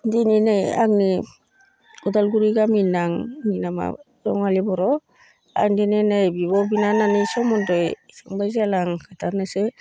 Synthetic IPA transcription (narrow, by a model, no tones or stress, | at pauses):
dininaja̰kni | udalɡuɾiɡaminaŋminama̰ | ɾɔŋalibɔɾɔ | a̰kndininajbibɔbinananisɔmɔndɔjsaŋbajzalaŋkʰataɾnese